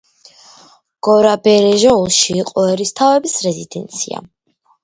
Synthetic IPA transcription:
ɡ̥ɔɾabɛɾɛʒɛulˠʃiːqʼɔɛɾist̪ʰavɛbisɾɛzid̪ɛnt̪sʰia̰

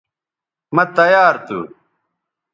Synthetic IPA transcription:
mɐt̪ɐjaːɾt̪ṵ

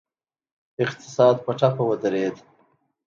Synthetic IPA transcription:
ɪqt̪ɪ̥sɑːd̪pəʈapawəd̪əɾed̪

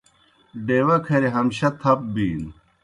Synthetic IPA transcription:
ɖeːwɐkʰɐɾeɦɐmɕɐt̪ʰɐp̚biːn

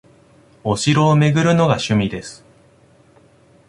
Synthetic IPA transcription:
o̞ɕiɾo̞ːme̞ɡɯ̟ɾɯ̟no̞ɡaɕɨmʲid̪e̞sɨ̥

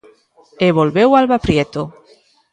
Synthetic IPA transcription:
eβolβewalβapɾjet̪o

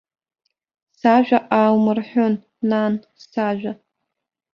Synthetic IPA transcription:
saʒᶣʷaʔaːwmɨrħʷonː | an | saʒʷᶣa

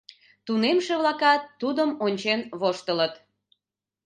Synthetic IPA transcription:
t̪unemʃeβlɑkɑt̪ːud̪əmonʲt͡ɕenβoʃt̪ələt̪

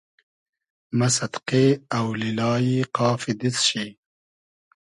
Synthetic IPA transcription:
mɐsɐt̪qeawlilɑːjiqɑːfid̪it͡sʃi

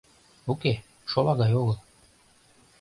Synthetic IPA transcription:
oke | ʃolˠɑɣɑjoɣɤlˠ

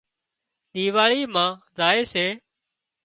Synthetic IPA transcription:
ɗ̪iːʋaːɭiːmãːzaːeːseː

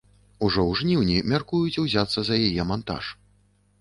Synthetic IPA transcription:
uʐɔwʐnʲiwnʲimʲarkujut͡sʲiwzʲat̪sːɐzɐjajɛmant̪a̰ʂ

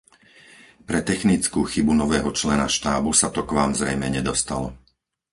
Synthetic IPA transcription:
pɾɛt̪ɛxnit͡skuːxibunɔʋɛːɦɔt͡ʃlɛnaʃt̪aːbusat̪ɔkʋaːmzɾɛjmɛɲɛd̪ɔst̪alɔ

